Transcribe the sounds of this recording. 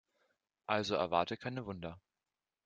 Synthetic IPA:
ʔalzoɛ̰ɐvaɐtəkʰaɪnəvʊndɐ

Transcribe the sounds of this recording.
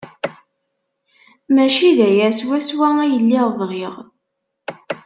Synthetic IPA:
mæʃiðæjæswæswææjəlːiʁvʁiʁ

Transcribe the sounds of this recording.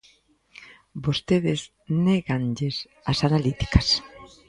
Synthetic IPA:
bost̪eðɪz | neɣanʎes | asanalit̪i̥kɐs

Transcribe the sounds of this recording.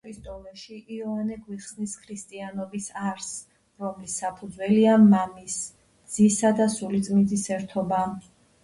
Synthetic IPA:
ist̪ʼɔlɛʃiʔiɔanɛɡwiχsniskʰɾist̪ʼianɔbisaɾs | ɾɔmlisːapʰud̪zwɛliamamis | d̪z̥isad̪asulit̪sʼmind̪zisɛɾt̪ʰɔba

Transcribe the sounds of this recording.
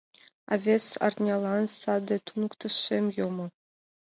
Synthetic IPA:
a̰vʲesa̰rnʲɑlˠɑnsɑd̪et̪unukt̪ɤ̆ʃemjomɤ̆

